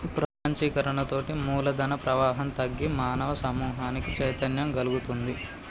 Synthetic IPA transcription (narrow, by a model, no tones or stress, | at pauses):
pɾɐpɐɲt͡ʃikɐɾɐɳɐt̪o̞ːʈimuːlɐd̪ɐnɐpɾɐʋaːɦɐnt̪ɐɡːimaːnɐʋɐsɐmuːɦaːnikit͡ʃɐjt̪ɐnjɐmɡɐluɡut̪und̪i